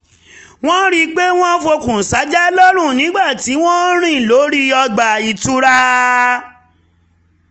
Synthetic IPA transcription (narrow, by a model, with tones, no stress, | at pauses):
w̃ɔ̃˦ɾi˧k͡pe˦w̃ɔ̃˦fo˧kũ˨sa˨˦d͡ʒɛ˦lɔ˦ɾ̃ũ˦˨nĩ˨˦ɡ͡ba˦˨ti˨˦w̃ɔ̃˦ɾ̃ĩ˦˨lo˨˦ɾi˦ɔ˧ɡ͡ba˨i˨tu˦ɾa˦